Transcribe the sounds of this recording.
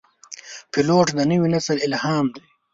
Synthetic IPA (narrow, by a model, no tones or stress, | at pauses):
pɪloːʈd̪ənəwinasəlɪlhɑːmd̪e